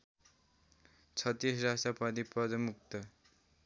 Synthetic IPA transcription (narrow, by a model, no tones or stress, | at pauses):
t͡sʰʌt̪ːisrasʈʌpʌd̪iprʌd̪ʌmuk̚t̪ʌ